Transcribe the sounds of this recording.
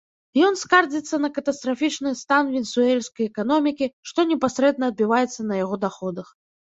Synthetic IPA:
jɔnskard͡zʲit̪sːɐnɐkɐt̪ɐst̪ɾafʲit͡ʂnɨst̪anvʲɛnsuɛlʲskɐjɛkanɔmʲikʲiʂt̪ɔnʲɛpasɾɛd̪̚nɐːd̪̚bʲivajɛt̪sːɐnɐjaɣɔd̪axɔd̪ɐx

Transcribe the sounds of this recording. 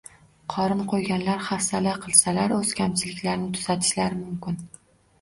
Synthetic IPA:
qʰɒɾɪmqʰojɡʲanlaɾhafsalaqʰɨlˠsalaɾɵzkʲʰamt͡ʃʰɪlɪkʲlaɾnɪt̪ʰʊ̥z̥at̪ʰɪ̥ʃlaɾɪmʊmkʲɪn

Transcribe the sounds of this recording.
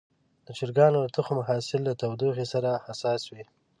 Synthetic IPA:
d̪̥ət͡ʃɪɾɡɑnod̪ət̪ʊxomaɦɑsɪlːat̪awd̪uxesaɾahasɑswi

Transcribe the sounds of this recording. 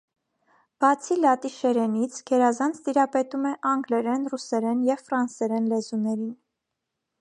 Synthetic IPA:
b̥ɑt͡sʰilɑt̪iʃɛɾɛnit͡sʰɡ̥ɛɾɑzɑnt͡sʰt̪iɾɑpɛt̪umɛʔɑŋɡlɛɾɛnrusɛɾɛnjɛvfɾɑnsɛɾɛnlɛzunɛɾin

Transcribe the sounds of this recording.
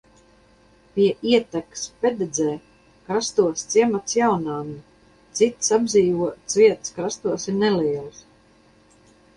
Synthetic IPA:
pʲiɛʔiɛt̪akspʲɛd̪ed̪zɛː | kɾast̪uɔst̪siɛmat̪sjawnaːni | t̪sit̪sabziːvuɔsvʲiɛt̪skɾast̪uɔsiɾnɛliɛlˠs

